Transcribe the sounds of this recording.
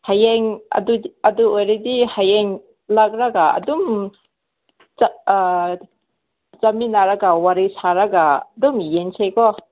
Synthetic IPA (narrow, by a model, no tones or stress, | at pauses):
hajeŋa̰duaduojɾadihajeŋ | lak̚ɾaɡaa̰dum | zaminaɾaɡawaɾisaɾaɡadumijensʰekɔ